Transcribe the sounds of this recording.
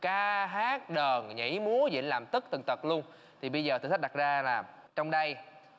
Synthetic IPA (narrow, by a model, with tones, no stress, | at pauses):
kaː˧ɦaː˦˥k̚ɗəː˨˩nɲḭ˧˥jmu˨˦əzḭ˧˥ənlaː˨˩mt̪ɨ˦˥k̚t̪ʰɨ˨˩ŋt̪ə˨˩t̚lu˧ən | t̪ʰi˨˩ɓə˧jzəː˨˩t̪ɨ˨˧˩k̚ɗa˨˩t̚zaː˧laː˨˩m | t͡ɕɔ˧wŋ͡mɗə˧j